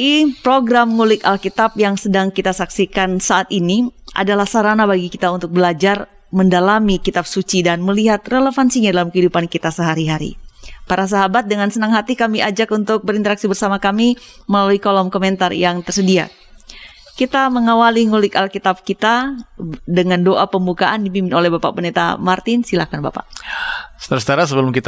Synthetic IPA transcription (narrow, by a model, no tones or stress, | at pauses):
ipɾoɡɾamŋulɪkalkit̪ap̚jaŋsədaŋkit̪asaksikansaʔat̪iniʔa̰dalahsaɾanabaɡikit̪aunt̪ʊk̚bəlad͡ʒar | məndalamikit̪ap̚sut͡ʃidanməliɦat̪̚relefansiɲadalamkəɦidupankit̪asəɦaɾiɦaɾḭpaɾas̬aɦabat̪̚dəŋansənaŋɦat̪ikamiad͡ʒakunt̪ʊk̚bəɾint̪əɾaksibərsamakami | məlaluikolɔmkomɛnt̪arjaŋt̪ərsədia̰ | kit̪aməŋawaliŋulɪkalkit̪ab̚kit̪a | dəŋandoʔapəmbukaʔandibimpɪnolɛhbapa̰ʔpənet̪a̰mart̪ɪnsilakanba̰pa̰ʔsə̥t̪əɾasət̪aɾas̬əbəlʊmkit̪